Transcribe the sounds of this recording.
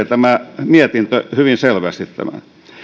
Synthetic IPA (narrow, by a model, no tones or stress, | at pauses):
et̪æmæmiæt̪int̪øhyʋinselʋæst̪it̪t̪æ̰mæ̰